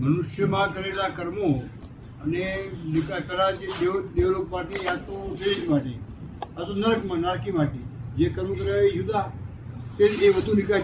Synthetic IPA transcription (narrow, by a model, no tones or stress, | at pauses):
mənʊʃjəmãkəɾelakəɾmo | ənenɪkakəɾat͡ʃed̪ed̪eʋlok̚paʈiat̪od̪eʃmãʈḛɦat̪onəɾkmãnəɾkimãʈid͡ʒekəɾmokəɾaed͡ʒud̪a | t̪eeʋəd̪ʱunɪka